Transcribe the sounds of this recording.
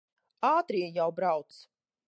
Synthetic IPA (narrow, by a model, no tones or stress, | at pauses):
aːt̪ɾiɛjawbɾawt̪s